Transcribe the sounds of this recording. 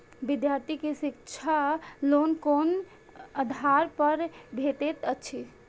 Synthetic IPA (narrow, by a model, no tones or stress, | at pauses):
bid̪jaɾt̪ʰikesikt͡ʃʰalonkon | əd̪ʱaɾpəɾbʱeʈ̪et̪ət͡ʃʰi